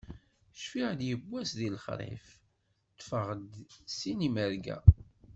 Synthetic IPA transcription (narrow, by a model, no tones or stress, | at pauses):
ʃfiʁd̪jəbʷːæsðilχɾˤḛf | t̪ːfəʁəd̪siniməɾɡæ̰